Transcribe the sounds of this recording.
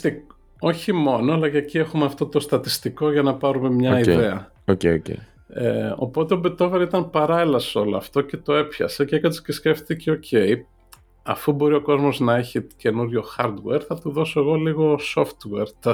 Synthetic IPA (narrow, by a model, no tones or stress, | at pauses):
t̪i | o̞çimo̞no̞ɐlɐʝɐciexumeɐft̪o̞t̪o̞st̪ɐt̪ist̪iko̞ʝɐnɐpɐɾume̞mɲɐiðeɐ | oceocḛ | eo̞̰po̞t̪e̞obet̪o̞veɾit̪ɐnpɐɾɐelɐsoloɐ̰ft̪o̞ce̞t̪o̞e̞pçɐ̰se̞cekɐt̪i̥scesce̞ft̪iceo̞cʰe̞i | ɐ̰fubo̞ɾio̞ko̞zmo̞znɐeçice̞nuɾʝo̞xɐɾd̪weɾθɐt̪uðo̞so̞eɣo̞liɣo̞so̞ft̪weɾt̪ɐ